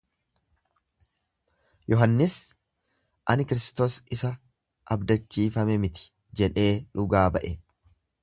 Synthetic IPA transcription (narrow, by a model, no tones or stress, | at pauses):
jɔɦɐnːɪs | ʔɐnɪkɪɾɪst̪o̞ːsɪsɐ | ʔɐbd̪ɐt͡ʃːiːfɐmɛmɪt̪ɪ̥ | d͡ʒɛᶑe̞ːᶑʊɡaːbɐʔɛ